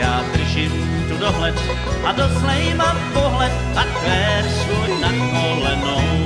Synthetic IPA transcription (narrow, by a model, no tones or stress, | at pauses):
aːt̪ɾiʃim | t̪ud̪ɔɦlɛt̪ | ad̪ɔslɛmapɔɦlɛt̪pat̪ʋɛːɾsʋɔjnad̪kɔlɛnɔ